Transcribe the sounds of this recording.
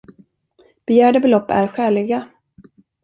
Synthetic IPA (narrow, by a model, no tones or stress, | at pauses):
b̥ɛjæːɖəbɛlɔpːæ̰ɾɧɛːlɪɡa